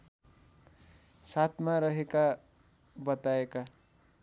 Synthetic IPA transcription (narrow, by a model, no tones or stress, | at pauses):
sat̪ʰmaɾʌɦeka | bʌt̪aeka